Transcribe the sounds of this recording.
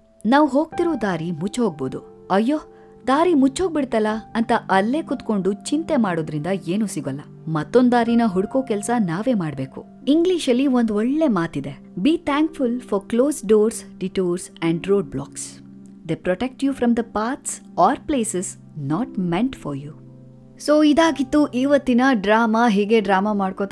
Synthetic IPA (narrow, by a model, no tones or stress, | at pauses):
naːʋɦoːɡ̚t̪iɾoːd̪aːɾimut͡ʃːɦoːɡ̚boːd̪u | ɐjːoː | d̪aːɾimut͡ʃːɦoɡ̚biɽt̪ɐlːɐɐnt̪ɐʔɐlːe̞ːkut̪ko̞ɳɖut͡ʃint̪emaːɽoːd̪ɾind̪ɐeːnuːsiɡɐlːɐ | mɐt̪ːond̪aːɾinɐɦuɽkoːkɛlsɐnaːʋe̞ːmaːɖbe̞ːkṵ | iŋɡliʃɐlːiond̪ɔɭːe̞maːt̪id̪e | biːt̪ʰæːŋkfulfɔɾkloːsɖoːɾsɖiʈuːɾsɛ̃ɳɖɾoːɖ̚blɔːks | d̪eːpɾɔʈek̚ʈjufɾɐmd̪ɐpaːɾt̪s | ɔːɾpleːses | nɔːʈmẽɳʈfɔɾjuː | soːid̪aːɡit̪ːuʔiʋɐt̪ːinɐɖɾaːmaɦiːɡe̞ɖɾaːmamaːɖkot̪a